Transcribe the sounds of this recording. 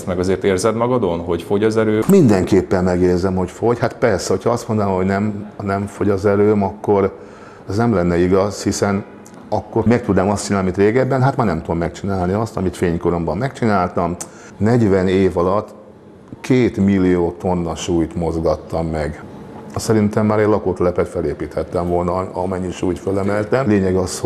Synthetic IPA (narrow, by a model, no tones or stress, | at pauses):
t̪mɛɡɒzeːrt̪eːrzɛd̪mɒɡɒd̪o̞nɦo̞ɟfo̞ɟɒzɛɾøːmind̪ɛŋkeːpːɛmːmɛɡeːzɛmho̞cfo̞ɟhat̪pɛrsɛho̞cʰhɒɒst̪mo̞nd̪ɔlomonɛmnɛɱfo̞ɟɒzɛɾøːmɒkːo̞ɾ | ɛznɛmlɛnːɛiɡɒzhisɛn | ɒkːo̞rmɛk̚t̪ud̪namɒst̪t͡ʃinaːlːɔmit̪reːɡɛbːɛnɦat̪maːrnɛmt̪ud̪omːɛk̚t͡ʃinaːlniɒst̪ɒmit̪feːɲko̞ɾo̞mbɒmːɛkt͡ʃinaːlt̪ɒm | nɛɟʋɛneːvɒlɒt̪ː | kʰeːt̪milːijoːt̪o̞nːɒʃuːjt̪mo̞zɡɒt̪ːɒmːɛɡɒsɛɾint̪ɛmːaːɾɛɟlɒkoːt̪lɛpɛt̪fɛleːpiːt̪hɛt̪ːɛmvo̞lnɒɒmɛɲːiʃuːjt̪følːɛmɛlt̪ɛmleːɲɛɡɒsho